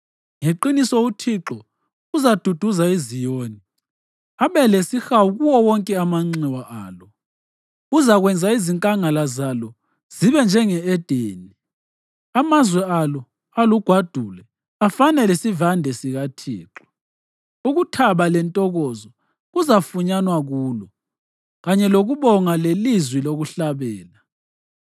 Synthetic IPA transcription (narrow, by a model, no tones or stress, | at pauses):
ŋeǃinisɔutʰiǁɔ | uzad̥ʱud̥ʱuzaizijoːni | aβɛlesixawuɣuwɔwɔŋkʼɛamaŋ͡ǀiwaʔaːlɔ | uzaɣwɛnd͡zʱaiziŋkʼaŋalazalɔ | z̥iβɛnd͡ʒʱɛŋɛɛd̥ʱeːni | amazwɛalɔ | aluɡ̥ʱwad̥ʱulɛ | afanɛlesivandʱɛsiɣatʰḭːǁɔ̥ | uɣutʰaβalɛntʼɔɣɔzɔ | ɣuzafuɲanwaɣuːlɔ | ɣaɲɛloɣuβɔŋalelizwiloɣuɬaβɛːla